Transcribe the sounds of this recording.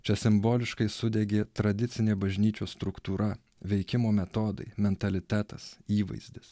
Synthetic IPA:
t͡ʃʲɛsʲɪmboːlʲɪʃkɐɪsʊd̪ʲɛɡʲeːt̪ɾɐd̪ʲɪt̪sʲɪnʲeːbɐʒʲnʲiːt͡ʃʲoːst̪ɾʊkt̪uːɾɐ | ʋʲɛɪkʲɪmoːmʲɛt̪oːd̪ɐ̰ɪmʲɛnt̪ɐlʲɪt̪ʲæːt̪ɐsiːʋɐ̰ɪzʲd̪ʲɪs

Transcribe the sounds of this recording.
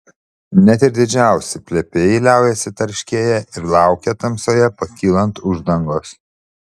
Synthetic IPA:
nʲɛt̪ɪɾd̪ʲɪd͡ʒʲæˑʊsʲɪpʲlʲɛpʲeːjɛɪlʲæˑʊjɛsʲɪt̪ɐɾʲʃʲkʲiɛjɛʔɪɾlˠɑˑʊkʲɛt̪ɐmsoːjɛpɐkʲiːlˠɐnt̪ʊʒd̪ɐŋɡoːs

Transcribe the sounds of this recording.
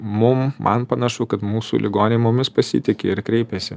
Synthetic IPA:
mʊmmʔɐ̰npɐnɐʃʊkɐt̪muːsṵːlʲɪɡoːnʲemʊmʲɪspɐsʲɪ̰t̪ʲɪkʲeɪɾkɾʲɛɪpʲɛsʲɪ

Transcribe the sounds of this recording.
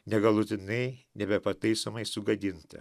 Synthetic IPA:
nʲɛɡɐlˠʊt̪ʲɪnɐɪnʲɛbʲɛpɐt̪ɐɪsomɐɪsʊɡɐd̪ʲɪnt̪ɐ̰

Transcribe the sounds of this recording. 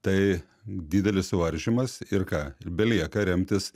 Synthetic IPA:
t̪ɐɪ | d̪ʲiːd̪ʲɛlʲɪssʊʋɐɾʲʒʲimɐsɪɾkɑːbʲɛlʲiɛkɐɾʲɛmʲt̪ʲɪs

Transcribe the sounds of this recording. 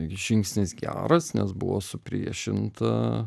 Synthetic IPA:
ʒʲɪŋksʲnʲɪsɡʲæ̰ːɾɐsnʲɛsbʊ̰ʋoːsʊpʲɾʲiɛʃʲɪnt̪ɐ̰

